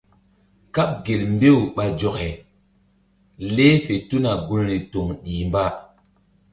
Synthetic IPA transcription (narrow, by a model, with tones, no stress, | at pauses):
ka˦p̚ɡe˨lmbe˦wɓa˨d͡ʒo˨kɛ˨ | le˦fe˨tu˦na˨ɡu˦lɾi˨to˨ŋɗiː˨mba˦